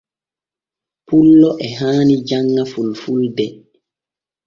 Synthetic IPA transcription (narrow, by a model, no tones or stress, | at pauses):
pulːɔʔɛɦaːnid͡ʒaŋːafulfuldɛ